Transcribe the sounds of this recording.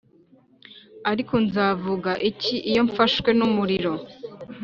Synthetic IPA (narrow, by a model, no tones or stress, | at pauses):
aɾikonzaːvuɡaʔiciʔijo̞ɱfaʃkwe̞numuɾiɾo̞